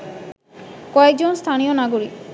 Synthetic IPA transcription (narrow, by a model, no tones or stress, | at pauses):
kɔek̚d͡ʑonst̪ʰanionaɡoɾik